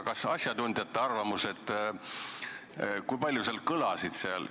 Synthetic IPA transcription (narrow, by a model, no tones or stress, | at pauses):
kɑsɑsʲjɑt̪und̪̥jɑt̪ːˑɑɑrvɑmuse̞t̪ːˑ | kujpɑlʲjuseɑlkɤlɑsid̪̥seɑl